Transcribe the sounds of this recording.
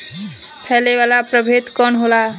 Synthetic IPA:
pʰɛlebalapɾəbʱet̪kɔnɦola

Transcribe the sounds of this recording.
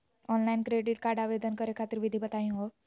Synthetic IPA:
ɔnlainkɾeɖiʈ̚kaɽaʋed̪ənkəɾekʰat̪iɾʋid̪ʱibət̪ajũɦo

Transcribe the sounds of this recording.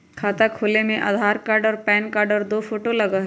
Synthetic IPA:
kʰaːt̪akʰuːlemẽʔa̰ːd̪ʱaːɾkaːɾɖɔːɾpɛːnkaːɾɖɔːɾd̪oːfoːʈolɐɡaːɦ

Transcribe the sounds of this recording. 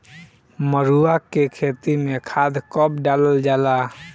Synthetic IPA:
məɾuakekʰeːt̪imẽkʰaːd̪kɔːp̚ɖaːləld͡ʒaːlaː

